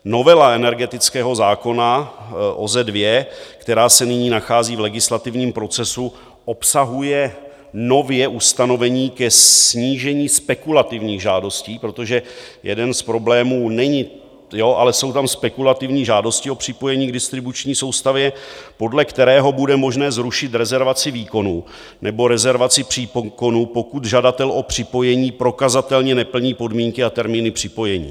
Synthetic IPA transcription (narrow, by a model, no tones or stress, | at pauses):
no̞vɛlaɛnɛɾɡɛt̪ɪt͡skɛːɦo̞zaːko̞naʔo̰zɛdvjɛkt̪ɛɾaːsɛnɪɲiːnaxaːziːvlɛɡɪslat̪ɪvɲiːmpɾo̞t͡sɛsu | ʔo̞psaɦujɛ | no̞vjɛʔust̪ano̞vɛɲiːkɛsɲiːʒɛɲiːspɛkulat̪ɪvɲiːɣʒaːdo̞sciːpɾo̞t̪o̞ʒɛjɛ̰dɛnspɾo̞blɛːmuːnɛɲɪ | jo̞ʔalɛso̞wt̪amspɛkulat̪ɪvɲiːʒaːdo̞scɪo̞pr̝̥ɪpo̞jɛɲiːɡ̚dɪst̪ɾɪbut͡ʃɲiːso̞wst̪avjɛpo̞dlɛkt̪ɛɾɛːɦo̞budɛmo̞ʒnɛːzɾuʃɪt̪ɾɛzɛɾvat͡sɪviːko̞nuː | nɛbo̞ɾɛzɛɾvat͡sɪpr̥ipko̞nuːpo̞kut̪ʒadat̪ɛlʔo̞pr̝̥ɪpo̞jɛɲiːpɾo̞kazat̪ɛlɲɛnɛpl̩ɲiːpo̞dmiːŋkɪat̪ɛɾmiːnɪpr̝̥ɪpo̞jɛɲḭː